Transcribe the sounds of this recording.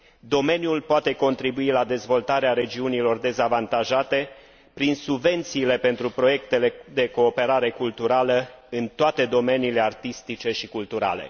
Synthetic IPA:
d̪o̞me̞njulpoat̪e̞ko̞nt̪ɾibuilad̪e̞zvo̞lt̪aɾeaɾe̞d͡ʒiunilo̞rd̪e̞zavant̪aʒat̪e̞ | pɾinsubve̞nt̪siːle̞pe̞nt̪ɾupɾo̞je̞kt̪e̞le̞d̪e̞ko̞ːpe̞ɾaɾe̞kult̪uɾaləɨnt̪oat̪e̞d̪o̞me̞niːle̞art̪ist̪it͡ʃe̞ʃikult̪uɾa̰le̞̰

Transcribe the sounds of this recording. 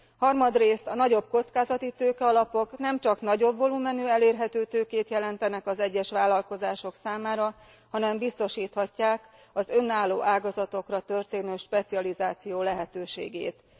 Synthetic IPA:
hɒrmɒd̪reːst̪ɒnɒɟo̞b̚ko̞t̪skaːzɒt̪it̪øːkɛɒlɒpo̞knɛmt͡ʃɒknɒɟo̞bvo̞luːmɛnøːɛleːrɦɛt̪øːt̪øːkeːt̪jɛlɛnt̪ɛnɛkɒzɛɟːɛʃʋaːlːɒlko̞zaːʃo̞ksaːmaːɾɒ | hɒnɛmbist̪o̞ʃiːt̪hɒcːaːk | ɒzø̞nːaːlːo̰ːʔaːɡɒzɒt̪o̞krɒt̪ø̞rt̪eːnøːʃpɛt̪siɒlizaːt̪sijoːlɛɦɛt̪øːʃḛːɡḛːt̪

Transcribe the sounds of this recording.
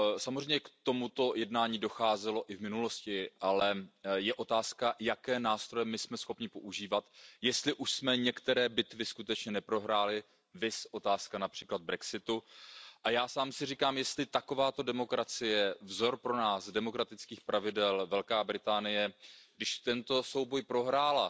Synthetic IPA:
samozrɛjmɲɛkt̪o̞mut̪o̞jɛdnaːɲiːdo̞xaːzɛlo̞ʔɪvmɪnulo̞scɪʔalɛjɛʔo̞t̪aːskajakɛːnaːst̪ɾojɛmɪsmɛsxo̞pɲɪpo̞ʔuʒiːvat̪jɛst̪lɪʔuʃsmɛɲɛkt̪ɛɾɛːbɪt̪vɪskut̪ɛt͡ʃɲɛnɛpɾo̞ɦɾaːlɪ | vɪsʔo̞t̪aːskanapr̝̥iːklad̪̚bɾɛksɪt̪uʔajaːsaːmsɪriːkaːmjɛst̪lɪt̪ako̞vaːt̪o̞dɛmo̞kɾat͡sɪjɛvzo̞ɾpɾo̞naːsdɛmo̞kɾat̪ɪt͡skiːxpɾʔavɪdɛlvɛlkaːbɾɪt̪aːnɪjɛɡdɪʃt̪ɛnt̪o̞so̞wbo̞jpɾo̞ɦɾaːla

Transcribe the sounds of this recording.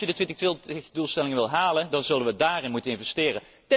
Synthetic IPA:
jədətʋɪntəxtʋɪltxdulˠstɛlɪŋənʋɪlˠɦaːləndɑnzɵldənʋədaːrɪnmutənɪnvɛstɪːrən | tɛ

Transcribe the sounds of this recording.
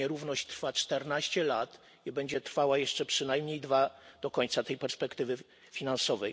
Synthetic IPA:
ɛɾuvnɔɕt͡ɕt̪ɾfat͡ʂt̪ɛɾnaɕt͡ɕɛlat̪ | ibɛɲd͡ʑɛt̪ɾfawajɛʂt͡ʂɛpʂɘnajmɲejd̪vad̪̥ɔkɔɲt̪sat̪ɛjpɛɾspɛkt̪ɘvɘ | fʲinansɔvɛj

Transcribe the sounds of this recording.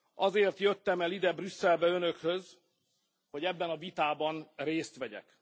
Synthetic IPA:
ɒzeːrt̪jø̞t̪ːɛmɛlid̪ɛbrysːɛlbɛø̞nø̞khøz | ho̞ɟɛbːɛnɒvit̪aːbɒnreːst̪ʋɛɟɛ̰k

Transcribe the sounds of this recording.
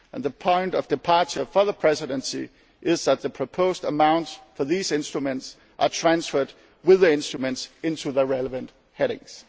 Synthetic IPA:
ʔə̃nðəpʰɔ̃ɪ̃ntʌvdɨpʰɑɹt͡ʃə˞fəðəpʰɹ̥ɛsɪɾə̃nsi | ʔɪzðæt̪̚ðəpʰɹ̥opʰoʊzdəmãʊ̃ntsfəðiːzɪ̃nstɹ̥umə̃nts | ʔətʰɹ̥æ̃nsfə˞d̚ | wɪðiɪ̃nstɹ̥umɨ̃ntsɪ̃ntʰuðəɹɛləvə̃nt | hɛɾɪ̰̃ŋs

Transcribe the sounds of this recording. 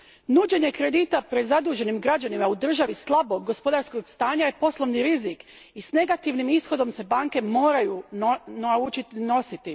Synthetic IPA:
nuːd͡ʑe̞ɲe̞kɾed̪iːt̪apɾe̞d̪zad̪uːʒe̞nimɡɾad͡ʑanimaud̪r̩ʒaʋislˠabo̞ɡːo̞spo̞d̪aɾsko̞ɡst̪aːɲaje̞po̞slˠo̞ʋniɾizik | isne̞ɡat̪iʋnimisxo̞d̪o̞mse̞baːŋke̞mo̞ːɾajunaut͡ʃit̪ino̞sit̪i

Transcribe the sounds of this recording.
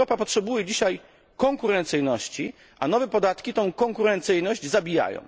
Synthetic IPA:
ɔpapɔtʂɛbujɛd͡ʑiɕaj | kɔŋkuɾɛnt̪sɘjnɔɕt͡ɕi | ʔanɔvɛpɔd̪at̪kʲit̪ɔ̃w̃kɔ̃ŋkuɾɛnt̪sɘjnɔʑd͡ʑzabʲija̰jɔ̰̃w̃

